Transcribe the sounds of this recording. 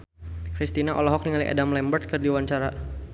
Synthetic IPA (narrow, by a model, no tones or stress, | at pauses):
kɾist̪inaʔɔlɔɦɔk̚niŋaliʔa̰damlɛmbərt̪̚kərdiwaɲt͡ʃaɾa